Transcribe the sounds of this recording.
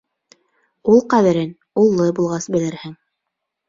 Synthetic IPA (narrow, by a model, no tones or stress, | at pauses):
ulˠqæðɘ̆ɾɘn | ulˠːɤbulˠʁɑsbɘ̆lɘ̆ɾhɘŋ